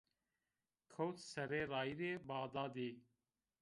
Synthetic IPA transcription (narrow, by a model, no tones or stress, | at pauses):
kʰowt̪sɐɾeːɾɑːiɾeːbɑːd̪ɑːd̪eː